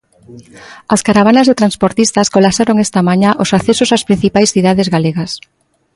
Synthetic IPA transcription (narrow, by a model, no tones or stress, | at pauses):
askaɾaβ̞anazðet̪ɾanspoɾt̪ist̪askolasaɾoŋest̪amaɲaʔosaθesosaspɾĩn̟θipajsθiðaðezɣaleɣas